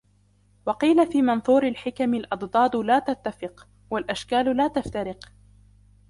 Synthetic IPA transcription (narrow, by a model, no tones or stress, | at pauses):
wɑqiːlafiːmɑnθˤuːɾalħɪkamɪlʔɑd̪d̪ˤɑːd̪ˤlaːt̪at̪ːafɪq | walʔaʃkaːllaːt̪aft̪aɾɪq